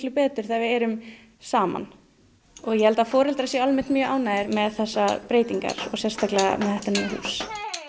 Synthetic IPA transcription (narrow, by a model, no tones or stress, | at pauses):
lʏpɛːt̪ʏɾ̥θavɪðɛɾʏm | saːma̰n | ɔɣjɛhɛlt̪afɔːɾɛlt̪ɾasjɛalmɛn̥t̪mjœːʔaːwnaːjðɪɾmɛðθɛsːapɾeːjt̪iŋka̰ɾ̥ɔɣsjɛrst̪aklɛɣa̰mɛðθɛht̪animːahṵːs